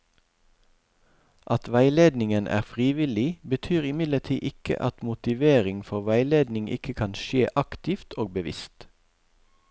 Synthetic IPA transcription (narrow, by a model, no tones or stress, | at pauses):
ʔɑt̪ʋæɪleːd̪nɪŋənʔæ̰ːʁfʁiːʋɪlɪbət̪ʰyːʁɪmɪd̪lət̪ʰiːʔɪkə̰ʔɑt̪mʊt̪ɪʋeːʁɪŋfɔʁʋæɪleːd̪nɪŋʔɪ̰kəkʰɑnʃeːʔɑkt̪ɪft̪ʰoːɡ̚bəʋɪ̰st̪